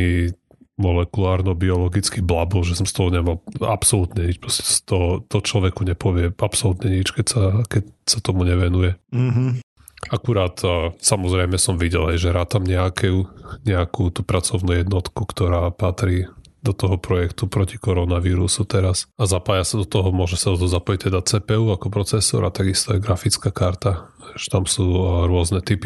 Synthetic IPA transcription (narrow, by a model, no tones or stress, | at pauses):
i | mɔlɛkulaːɾnɔbiɔlɔɡit͡skiblabɔlʒɛsɔmst̪ɔɦɔɲɛmala̰psɔlut̪ɲɛɲit͡ʃpɾɔscɛ̥st̪ɔɦt̪ɔt͡ʃlɔʋɛkuɲɛpɔʋɪɛapsɔlut̪ɲɛɲit͡ʃkɛcsakɛcsat̪ɔmuɲɛʋɛnujɛɦ̩ | akuɾaːt̪ːsamɔzɾɛjmɛsɔmʋiɟɛlɦɛjʒɛɾaːt̪amɲɛakʰɛuɲɛakut̪uːpɾat͡sɔʊnujɛd̪nɔt̪kukt̪ɔɾaːpat̪ɾiː | d̪ɔt̪ɔɦɔpɾɔjɛkt̪upɾɔcikɔɾɔnaʋiːɾusut̪ɛɾasazapaːjasad̪ɔt̪ɔɦɔmʊɔʒɛsad̪ɔt̪ɔzapɔjic̚t̪ɛd̪at͡sɛːpɛuːakɔpɾɔt͡sɛsɔ̰ɾat̪aɡist̪ɔɛɡɾafit͡skakaɾt̪aʋɛʃt̪amsuːɾʊɔznɛt̪ipi